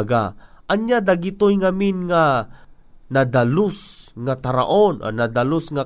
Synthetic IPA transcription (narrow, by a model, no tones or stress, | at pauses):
ɡa | ʔɐnjad̪aɡɪt̪ojŋaminŋa | nad̪alʊsŋat̪aɾa̰ʔonʔo̰nad̪alosŋa